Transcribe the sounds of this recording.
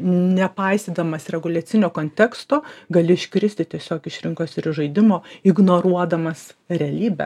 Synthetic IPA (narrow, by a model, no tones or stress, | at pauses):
nʲɛpɐɪst̪ʲiːd̪ɐmɐsɾʲɛɡʊlʲɐt̪sʲɪnʲoːkoːnʲt̪ʲɛkst̪oːɡɐlʲɪɪʃʲkɾʲɪsʲt̪ʲɪtʲiɛsʲoːkɪʃɾʲɪŋkoːsɪɾʒɐɪd̪ʲɪmoːɪɡnoːɾuɔd̪ɐmɐsɾʲɛɐlʲiːbʲɛ̰